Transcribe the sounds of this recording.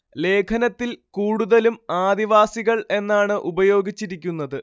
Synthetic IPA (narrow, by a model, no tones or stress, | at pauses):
le̞ːkʰɐnɐt̪ːilkuːɽuðɐlumaːd̪iʋaːsiɣɐɭe̞nːaːɳɨʔubɐjo̞ːɡit͡ɕːiɾikʲːunːɐðɨ